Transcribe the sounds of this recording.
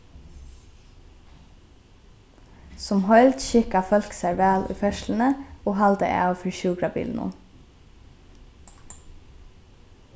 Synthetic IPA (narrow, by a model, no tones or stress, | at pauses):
sɔmhœʏlt̪ʃɪkɑfœlksæʋæːlʔḭːfœʃln̩əoːhɑld̪ə̰ʔæ̰ːfɔɾʃʉːɡɾɑbḭːln̩ṵːm